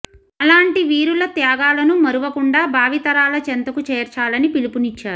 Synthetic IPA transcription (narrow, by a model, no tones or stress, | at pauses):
ɐlaːɳʈiʋiːɾulɐt̪jaːɡaːlɐnumɐɾuʋɐkuɳɖaːbʱaːʋit̪ɐɾaːlɐt͡ʃent̪ɐkut͡ʃeːɾt͡ʃaːlɐnipilipunit͡ʃːaːɾuu